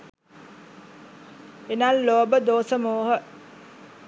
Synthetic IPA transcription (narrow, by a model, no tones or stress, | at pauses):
enalːoːbəd̪oːsəmoːɦə